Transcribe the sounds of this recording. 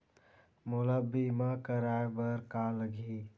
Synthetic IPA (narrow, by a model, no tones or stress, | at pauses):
mʊləbːimãkəɾaːbəɾkaləɡʱi